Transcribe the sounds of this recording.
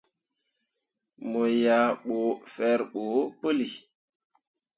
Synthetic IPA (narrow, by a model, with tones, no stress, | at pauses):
mo˨ja˨ɓo˨fɛ˨ɾɓo˨˦pə˦li˨